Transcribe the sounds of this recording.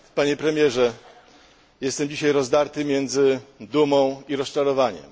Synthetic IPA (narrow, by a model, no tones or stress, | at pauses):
paɲɛpɾɛmʲjɛʐɛ | jɛst̪ɛmd͡ʑiɕajɾɔzd̪aɾt̪ɘmʲjɛnd̪zɘd̪umɔ̃w̃iɾɔst͡ʂaɾɔvaɲɛ̰m